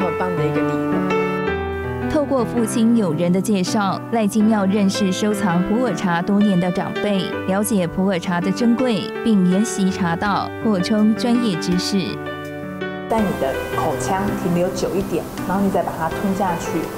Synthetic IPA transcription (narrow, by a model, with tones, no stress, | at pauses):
mə˨˩pɑ˥˩ŋd̪ə˩i˧˥ɡə˧li˥˧˩u˥˩ | t̪ʰo˥˧ʊkwɔ˥˧fu˥˩t͡ɕʰi˥njo˨˩ʊɻə˧˥nd̪ə˧t͡ɕjɛ˥˧ʂɑ˥˩ʊla˥˩ɪt͡ɕi˥njɑ˥˧ʊɻə˥˧nʂɻ̩˥˩ʂo˥ʊt͡sʰɑ˧˥ŋpʰu˧˥ə˞˨˩ʈ͡ʂʰa˧˥t̪wɔ˥njɛ˧˥nd̪ə˨ʈ͡ʂɑ̰˨˩ŋpe˥˩ɪ | ljɑ˧˥ʊt͡ɕjɛ˨˩pʰu˧˥ə˞˨˩ʈ͡ʂʰa˧˥d̪ə˧ʈ͡ʂə˥ŋkwe˥˧ɪpi˥˩ŋljɛ˧˥nɕi˧˥ʈ͡ʂʰa˧˥t̪ɑ˥˧ʊxwɔ˥˩ʈ͡ʂʰɤ˥ŋʈ͡ʂwa˥njɛ˥˩ʈ͡ʂɻ̩˥ʂɻ̩˥˩ | t͡sa˥˩ɪni˨˩d̪ə˦kʰo˨˩ʊt͡ɕʰjɑ˥ŋt̪ʰi˧˥ŋm˧jo˧˥ʊt͡ɕjo˨˩ʊi˥˩t̪jɛ̰˨˩˦nɻa˧˥xo˥˩ni˨˩t͡sa˥˩pa˨˩t̪ʰa˥t̪ʰi˥ŋɕja˥˧t͡ɕʰy˥˩